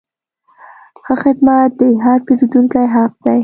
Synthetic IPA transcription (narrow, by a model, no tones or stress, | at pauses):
xəxɪd̪mat̪̚d̪əɦɑɾpeɾid̪uŋkajɦaq̚d̪̥aj